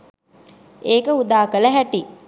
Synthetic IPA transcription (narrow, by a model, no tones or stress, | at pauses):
eːkəud̪aːkələɦæʈi